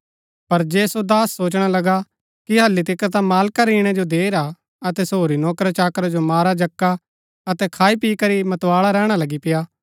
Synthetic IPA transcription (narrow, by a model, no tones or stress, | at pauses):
pɐɾd͡ʒeːsod̪aːsːoːt͡ʃɽ̃alɐɡa | kiɦɐlːit̪ɪkət̪ãmaːlkaɾiːɽ̃ɛd͡ʒod̪eːɾa | ɐt̪ɛsoːɾinɔːkɾat͡ʃaːkɾad͡ʒomaːɾad͡ʒɐkːa | ɐt̪ɛkʰaːipiːkɐɾimɐt̪waːɭaɾɛːɽ̃alɐɡipɪjaː